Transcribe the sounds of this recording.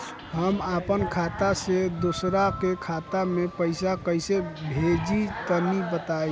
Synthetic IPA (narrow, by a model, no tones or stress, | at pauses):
ɦəmapənkʰat̪ased̪osɾakekʰat̪amepəɪsakəjsebʱed͡ʒit̪ənibət̪aj